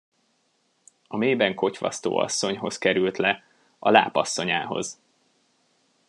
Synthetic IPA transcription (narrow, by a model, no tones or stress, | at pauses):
ɒmeːbɛŋko̞cʋɒ̰st̪o̰ːɒ̰sːo̞ɲɦo̞skɛɾylt̪lɛ | ɒla̰ːpɒsːo̞ɲaːɦo̞̰z